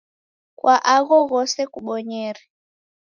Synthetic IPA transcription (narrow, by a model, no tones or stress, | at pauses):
kwʔaʔaɣɔɣɔsɛkuɓɔɲɛɾɛ